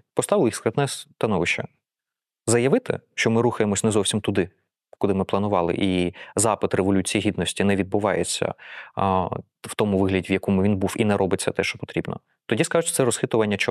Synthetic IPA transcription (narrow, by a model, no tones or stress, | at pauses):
pɔst̪ɑʋɪlˠixskɾɐt̪nɛst̪ɐnɔʋɪʃt͡ʃːɐ | zɐjɐʋɪt̪ɪ̰ʃt͡ʃɔmɪɾuxɐjemɔsʲnɛzɔwsʲimt̪ʊd̪ɪ | kʊlˠɪmɪplˠɐnʊʋɑlˠɪ̰ʔizɑpɪt̪reʋɔlʲut͡sʲijiɦʲid̪nɔsʲtʲinɛʋʲid̪̚bʊʋɑjḛt͡sʲːɐ̰ | w̥t̪ɔmuʋɪɦlʲɐdʲiwjɐkɔmʊʋʲinbufinɛɾʔɔbɪt͡sʲːɐt̪ɛʃt͡ʃɔ̥pɔ̥t̪ɾʲibnɔ̰ | t̪ɔdʲiskɑʒʊtʲt̪sɛɾɔsxɪt̪ʊʋɐnʲːɐt͡ʃɔ